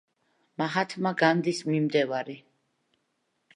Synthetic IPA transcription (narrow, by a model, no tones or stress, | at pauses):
maɦat̪ʰmaɡand̪ismimd̪ɛvaɾi